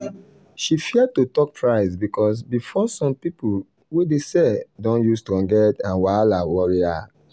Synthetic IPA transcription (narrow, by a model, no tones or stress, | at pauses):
ʃifiɛd̚tutɔk̚tʰɹaɪsbikʰɔs̬bifɔsɔ̃mpipu | wedesɛdɔ̃njustuɔ̃ŋɡɛtãnwalawɔɹia̰